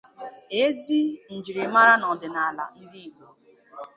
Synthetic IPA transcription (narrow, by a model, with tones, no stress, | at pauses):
e˦zi˦n̩˨d͡ʒi˨ɾi˨ma˦ɾa˦nɔ˨dɪ˨na˨la˨n̩˦di˦i˨ɡ͡bo˨